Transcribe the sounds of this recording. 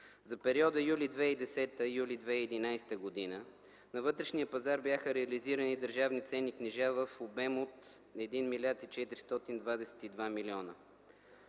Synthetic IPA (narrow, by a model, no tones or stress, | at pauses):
zɐpɛɾiɔd̪əjulid̪vɛid̪ɛsɛt̪əjulid̪vɛiːd̪inajst̪əɡod̪inə | nɐvɤt̪ɾɛʃnijəpɐzaɾbjaxəɾɛɐliziɾənid̪əɾʒavnit̪sɛniknɛʒavəfobɛmot̪ | ɛd̪inmilʲjat̪it͡ʃɛt̪iɾist̪ɔt̪ind̪vad̪ɛsɛ̥t̪id̪vamilʲiɔnə̰